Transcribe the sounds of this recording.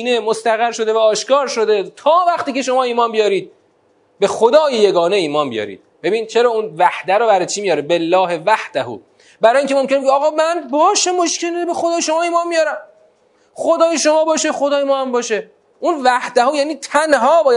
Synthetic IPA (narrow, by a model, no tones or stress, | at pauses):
inemost̪æɣæɾʃo̞d̪e̞væɒːʃkɒːɾʃo̞d̪et̪ʰɒːvæχt̪iːcʰe̞ʃo̞mɒːiːmɒːnbijɒːɾiːd̪̚ | be̞xod̪ɒːjeje̞ɡɒːne̞iːmɒːnbḭjɒ̰ɾḭːd̪̥̚b̥e̞biːnt͡ʃʰe̞ɾɒːunvæhd̪æɾobæɾet͡ʃʰiːmijɒːɾebelːɒːhevæhd̪̥æhṵː | bæɾɒːjiːŋcʰemo̞mkʰʲenbeɒːɣɒːmænbɒːʃæmoʃkʰenebexod̪ɒːjeʃo̞mɒːiːmɒːnbijɒːɾæm | χod̪ɒːjeʃo̞mɒːbɒːʃexod̪ɒːjemɒːhæmbɒːʃe | ʔunvæhd̪æhujæːniːt̪ʰænɦɒːbɒːj